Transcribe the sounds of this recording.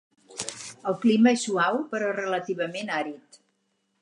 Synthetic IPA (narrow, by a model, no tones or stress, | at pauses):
əlˠkliməesuawpəɾɔrələt̪iβ̞əmenaɾit̪